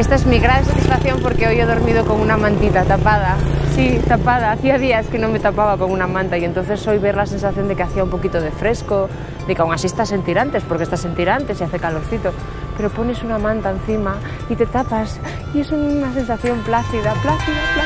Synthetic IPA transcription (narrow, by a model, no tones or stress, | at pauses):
est̪aezmiɣɾaðesat̪isfakθjo̞mpoɾkeojoðoɾmið̞okoŋunamãnt̪it̪at̪apað̞asit̪apað̞aːθiað̞iaskenõŋmet̪apaβakoŋunamãnt̪aient̪on̟θesːojβeɾlasensaθjond̪ekeaθiaumpokit̪oð̞efɾesko | ðekawŋasist̪asent̪iɾant̪espoɾkest̪asent̪iɾant̪esiaθekaloɾθit̪o | peɾopo̞nesunamãnt̪aen̟θima | it̪et̪apas | iesunasensaθjomplaθiðaplaθiðaa